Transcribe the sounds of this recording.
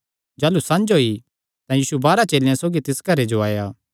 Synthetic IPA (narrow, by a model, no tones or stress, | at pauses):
d͡ʒaːlusɐ̃nd͡ʒoi | t̪ãjiːsubaːɾat͡ʃeːljãsoːɡit̪ɪskɐɾed͡ʒoaːjaː